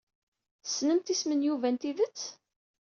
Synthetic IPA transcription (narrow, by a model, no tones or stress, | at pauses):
sːnəmt̪ismənjuvænt̪iðət͡sː